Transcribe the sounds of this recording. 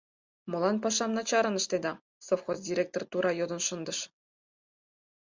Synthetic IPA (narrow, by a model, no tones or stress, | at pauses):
mŏlˠɑnpɑʃɑmnɑt͡ɕɑɾɤ̆nɤ̆ʃt̪ed̪ɑ | sofxosdʲirʲek̚t̪ort̪uɾɑjod̪ɤ̆nʃɤ̆nd̪ɤ̆ʃ